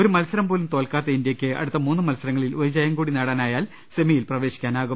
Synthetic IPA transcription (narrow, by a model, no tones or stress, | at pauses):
oɾumɐlsɐɾɐmboːlumt̪o̞ːlkaːt̪ːɐind̪jɐkʲːɨɐ̰ɽut̪ːɐmuːnːɨmɐlsɐɾɐŋːɐɭiloɾud͡ʑɐjɐŋɡuːɽinɐɽɐnaːjaːl | semijilprɐʋe̞ːɕi̥kʲːaːnaːɣum